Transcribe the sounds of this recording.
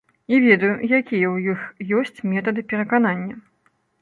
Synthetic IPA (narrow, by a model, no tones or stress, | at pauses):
ivʲɛd̪ɐjujakʲijɐwjixjɔsʲt͡sʲmʲɛt̪ɐd̪ɨpʲɛɾɐkananʲːɐ